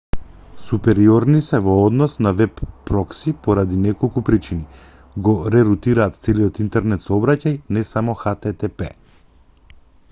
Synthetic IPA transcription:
supɛɾiɔɾnisɛvɔɔd̪nɔsnavɛpːɾɔksipɔɾad̪inɛkolˠkupɾit͡ʃini | ɡɔɾɛɾut̪iɾaːt̪t̪sɛliɔt̪int̪ɛɾnɛt̪sɔɔbɾacajnɛsamɔxat̪ɛt̪ɛpɛ

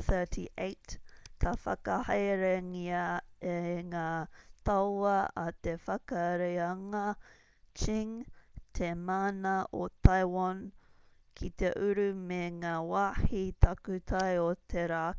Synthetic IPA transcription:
θɜ˞tʰiʔeɪtkʰɐfɐ̰kɐhɐjɾeŋiɐeŋaːt̪ɐwɐɐt̪efɐkɐɾejɐŋɐ | t͡ʃiŋt̪ʰemaːnɐʔotʰajwan | kʰit̪eʔʉɾʉmeŋaːwaːhit̪ʰɐkʉt̪ʰɐjot̪ʰeɾaː

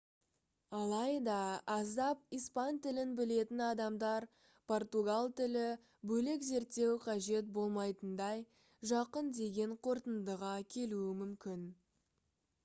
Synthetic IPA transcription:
ɑlˠɑjd̪ɑɑzd̪ɑp̚ijspɑnt̪ɪlɪnbɪle̞t̪ɪnɑd̪ɑmd̪ɑɾ | pʰo̞rt̪uɡalˠt̪ɪlɪ | bɵlekze̞ɾt̪ːe̞wqʰɑʒe̞t̪̚bo̞lˠmɑjt̪ənd̪ɑj | ʒɑqənd̪e̞ɡʲe̞ɴqʰo̞ɾt̪ənd̪əʁɑkʲʰe̞luɪmʏmkʲɪn

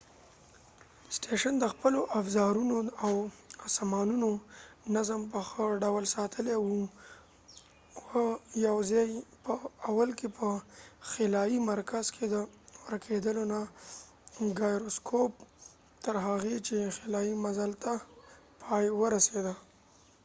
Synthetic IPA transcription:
sʈeʃand̪əxpəloʔafzɑɾunoawasamɑnunonazəmpəxəɖawlsɑt̪ʰəlewu | wəjawzɑjpəawalkepʰəxelɑjimaɾkazkʰed̪əwəɾkʰed̪əlona | ɡɑjɾoskʰop | t̪əɾɦaɣet͡ʃexelɑjimazalt̪a | pʰɑjwəɾased̪a

